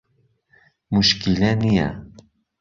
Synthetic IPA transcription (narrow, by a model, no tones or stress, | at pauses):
mʊʃkilanija̰